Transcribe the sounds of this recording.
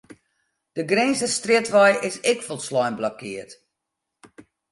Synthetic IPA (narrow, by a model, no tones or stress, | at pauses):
d̥əɡrɛnzəstrɪtʋɔjʔɪsɪkfɔlˠtslɔjnblɔkʰɪərt